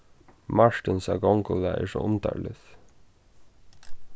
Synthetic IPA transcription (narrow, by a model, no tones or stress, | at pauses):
maɹt̪ɪnsaɡɔŋkɔlaʔɛ̰ɹʂɔʊnt̪a̰ɹlɪð